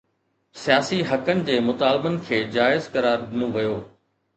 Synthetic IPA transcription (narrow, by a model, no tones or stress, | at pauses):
sijaːsiɦɐkənɪ̆d͡ʑeːmʊt̪aːlbənɪ̆kʰeːd͡ʑaːɪzkɐɾaːɾd̪ɪnõʋɐjoː